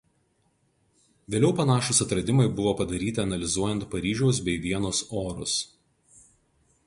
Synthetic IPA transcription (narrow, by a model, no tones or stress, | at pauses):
ʋʲeːlʲɛʊpɐnɑːʃʊsɐt̪ɾɐd̪ʲɪmɐɪbʊʋoːpɐd̪ɐɾʲiːt̪ʲɪɐnɐlʲɪzuɔjɛnt̪̚pɐɾʲiːʒʲuɔʊsbʲɛɪʋʲiɛnʊsoːɾʊ̰s